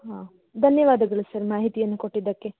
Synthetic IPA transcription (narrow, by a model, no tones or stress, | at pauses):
ɦaː | d̪ʱɐnjɐʋaːd̪ɐɡɐɭusɐɾmaːɦit̪ijɐnːukoʈːid̪ːɐkːe̞